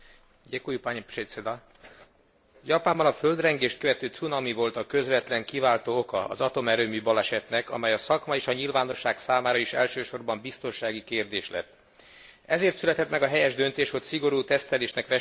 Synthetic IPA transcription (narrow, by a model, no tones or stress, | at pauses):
jekujupaɲpresed̪ɒ | jɒpaːmbɒnɒfø̞ld̪rɛŋɡeːʃt̪̚køvɛt̪øːt̪sunɒmivo̞lt̪ɒkø̞zvɛt̪lɛŋkivaːlt̪oːokɒɒ̰zɒt̪o̞mɛɾøːmybɒlɛʃɛt̪nɛkɒ̰mɛjɒsɒkmɒeːʃɒɲilvaːno̞ʃːaːksaːmaːɾɒeʃɛ̰lʃøːʃo̞rbɒmbist̪o̞nʃaːɡikeːrd̪eːʃlɛ̰t̪ː | ɛzeːrt̪sylɛt̪ɛt̪mɛɡɒɦɛjɛʒd̪ø̞nt̪eːʃho̞csiɡo̞ɾuːt̪ɛst̪ɛleːʃnɛkʋɛ